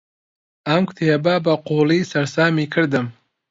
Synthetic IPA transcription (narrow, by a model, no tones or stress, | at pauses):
ɐmkʰʊ̥t̪ʰeːbɐbɐquːlˠiːsɐɾsaːmiːkʰɨɾd̪ɨm